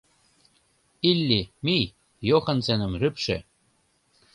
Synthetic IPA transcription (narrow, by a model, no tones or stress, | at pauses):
ilʲːimi | joxɤ̆nsenə̆mrypʃḛ